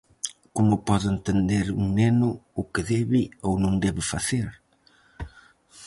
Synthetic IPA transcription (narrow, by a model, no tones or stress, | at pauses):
komʊpɔðent̪end̪eɾuŋnenʊʊkɪðɛβɪownõŋd̪ɛβɪfaθeɾ